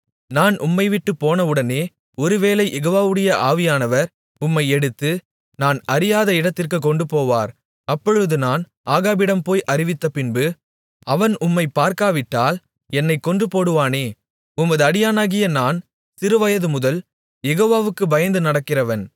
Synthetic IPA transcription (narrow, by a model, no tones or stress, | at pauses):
naːnʔʊmːɐɪʋɪʈːɯpːoːnɐɯɽɐneː | ɔɾɯʋeːlɐɪjʔɛɣoːʋaːʋɯɽɐjɐʔaːʋɪjaːnɐʋɐɾ | ʊmːɐɪɛɽɯt̪ːɯ | naːnɐɾɪjaːðɐɪɽɐt̪ːɪrkɯk̬ːɔɳɖɯpoːʋaːɾ | ɐpːɔɻɯðɯnaːn | ʔaːɣaːbɪɽɐmpoːjʔɐɾɪʋɪt̪ːɐpɪnbɯ | ɐʋɐnʊmːɐɪpːaːɾkaːʋɪʈːaːl | ɛnːɐɪkːɔɳdrɯpoːɽɯʋaːneː | ʊmːɐðɯɐɽɪjaːnaːɣɪjɐnaːn | sɪɾɯʋɐjɐðɯmʊðɐl | jɛɣoːʋaːʋɯkːɯbɐjɐnd̪ɯnɐɽɐkːɪrɐʋɐn